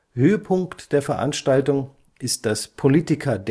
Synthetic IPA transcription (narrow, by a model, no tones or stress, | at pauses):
høːəpʰʊŋktd̥eːɐfɛɐʔa̰nʃtaltʊŋ | ʔɪst̚d̥aspʰoliːtɪkʰɐd